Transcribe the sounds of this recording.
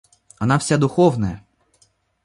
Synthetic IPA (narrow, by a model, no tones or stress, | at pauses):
ɐnawsʲad̪ʊxɔwnɐjɐ